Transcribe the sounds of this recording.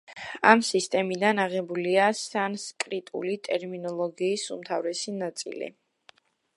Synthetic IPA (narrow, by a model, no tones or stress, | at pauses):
amsist̪ʼɛmid̪anaʁɛbuliasanskʼɾit̪ʼṵlit̪ʼɛɾminɔlˠɔɡiːsṵmt̪ʰavɾɛsinat̪sʼḭlḭ